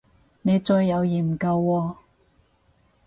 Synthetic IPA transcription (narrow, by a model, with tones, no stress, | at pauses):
ne˨˧jt͡sɵ˧jːɐ˨˧wjiː˨˩m̩˨˩kɐ˧wːɔː˧